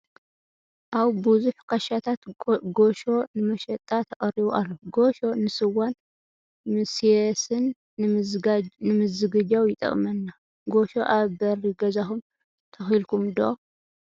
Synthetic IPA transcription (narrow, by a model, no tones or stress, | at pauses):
ʔaβbuzuħkʰɐʃat̪ʰat̪ɡoʃo̞nɨmɐʃɐt̪ʼːat̪ʰɐkʼɐɾiβuʔalːoɡoʃo̞nɨsɨwan | mɨsiesɨn | nɨmɨzɨɡɨd͡ʒawjɪt̪ʼɐ̰kʼmɐnːa | ɡoʃo̞ʔaβbɐɾiɡɐzaxum | t̪ʰɐxilkumd̪oʔo